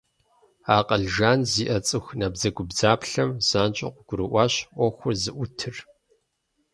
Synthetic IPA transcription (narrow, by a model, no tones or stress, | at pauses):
aːqʼɐɮʒaːnziːʔɐt͡sʼɨxnɐbzɐɡʷʊbzaːpɬɐmz̥aːnt͡ʃʼɪ̰qʷʊɡ̥ʷʊɾɨʔʷɑːɕʔʷɔxʷʊrzɨʔʷʊtʰɨr